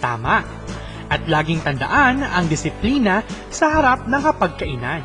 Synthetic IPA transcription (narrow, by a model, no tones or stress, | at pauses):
t̪a̰ːmɐʔ | ʔɐt̪laːɡɪŋt̪ɐnd̪ɐ̰ʔanɐŋd̪ɪsɪpliːnɐ | sɐhɐɾap̚nɐŋkɐpɐɡ̚kɐʔɪnan